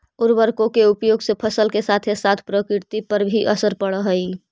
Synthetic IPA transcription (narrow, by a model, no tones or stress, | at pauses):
ʊɾbəɾkõkeupjoːɡsepʰəsəlkesat̪ʰesat̪ʰpɾəkɾɪɾt̪ipəɾbʱiʔəsəɾpəɽəɦəi